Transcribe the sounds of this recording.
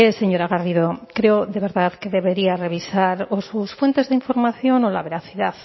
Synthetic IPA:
eseɲo̞ɾaɣariðokɾeoðe̞β̞e̞ɾðaðkeðe̞βe̞ɾiare̞β̞isaɾosusfwe̞nt̪e̞zðeiɱfo̞ɾmaθjo̞nola̰βe̞ɾaθiðað

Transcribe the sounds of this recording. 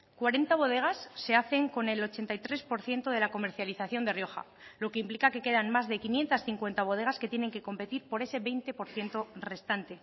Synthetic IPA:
kwaɾe̞nt̪aβo̞ð̞e̞ɣ̞asːe̞aθe̞ŋko̞ne̞lo̞t͡ʃe̞nt̪ajt̪ɾe̞spo̞ɾθje̞nt̪oð̞e̞lako̞me̞ɾθjaliθaθjo̞nd̪erjo̞xa̰ | lo̞ke̞implikake̞ke̞ðanmazðe̞kinje̞nt̪asθiŋkwe̞nt̪aβ̞o̞ð̞e̞ɣ̞aske̞t̪je̞ne̞ŋke̞ko̞mpe̞t̪iɾpo̞ɾe̞se̞βe̞jnt̪e̞po̞ɾθje̞nt̪ore̞st̪ant̪e̞

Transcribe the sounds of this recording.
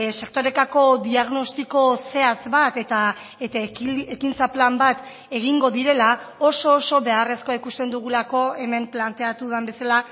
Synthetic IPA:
se̞kt̪o̞ɾe̞t̪ako̞d̪iaɣno̞st̪iko̞se̞azbat̪et̪a | et̪aekint͡saplambat̪ | e̞ɣ̞iŋɡo̞ðiɾe̞lao̞so̞ːso̞βe̞are̞sko̞aikust̪e̞nd̪uɣulako̞e̞me̞mplant̪e̞at̪uðambe̞sala

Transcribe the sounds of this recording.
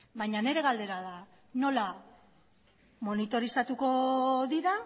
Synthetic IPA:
bajɲane̞ɾe̞ɣald̪e̞ɾaða | no̞la | mo̞nit̪o̞ɾisat̪uko̞ðiɾa

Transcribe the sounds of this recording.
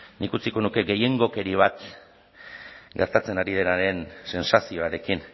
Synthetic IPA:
nikut͡siko̞nuke̞ɡe̞je̞ŋɡo̞ke̞ɾiβ̞at̪ | ɡe̞ɾt̪at͡se̞naɾið̞e̞naɾe̞nse̞nsasio̞aɾe̞kin

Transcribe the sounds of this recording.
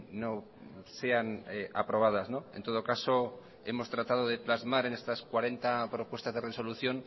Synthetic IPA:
no | se̞aneapɾo̞β̞að̞aznoḛnt̪o̞ð̞okaso | e̞mo̞st̪ɾat̪að̞oð̞eplazmaɾe̞ne̞st̪askwaɾe̞nt̪apɾo̞pwe̞st̪azðe̞reso̞luθjo̞n

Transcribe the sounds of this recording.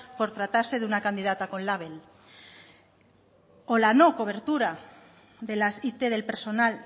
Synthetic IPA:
po̞ɾt̪ɾat̪aɾse̞ðunakand̪ið̞at̪ako̞nlaβ̞el | olano̞ko̞β̞e̞ɾt̪uɾa | ðe̞lasit̪eð̞e̞lpeɾso̞nal

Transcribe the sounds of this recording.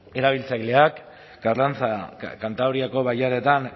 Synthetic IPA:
e̞ɾaβ̞ilt͡sajle̞ak | ɡarlant͡sakant̪awɾiako̞βajaɾe̞t̪an

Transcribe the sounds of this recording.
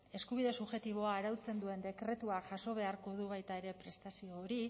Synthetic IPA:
e̞skuβiðe̞suβʝe̞t̪iβ̞o̞aːɾawt͡se̞nd̪ue̞nd̪e̞kɾe̞t̪uaʝaso̞β̞e̞aɾko̞ð̞uβajt̪ae̞ɾe̞pɾe̞st̪asio̞ːɾi

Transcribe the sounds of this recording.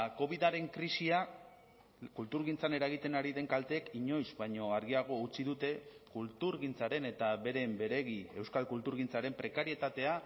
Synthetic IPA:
ko̞β̞iðaɾe̞ŋkɾisiak | kːult̪uɾɣint͡sane̞ɾaɣ̞it̪e̞naɾiðe̞ŋkalt̪e̞ːkiɲo̞jzβajɲo̞aɾɣiaɣ̞o̞ut͡siðut̪e̞kult̪uɾɣint͡saɾe̞ne̞t̪aβe̞ɾe̞mbe̞ɾe̞ɣie̞wskalkult̪uɾɣ̞int͡saɾe̞mpɾe̞kaɾie̞t̪at̪e̞a

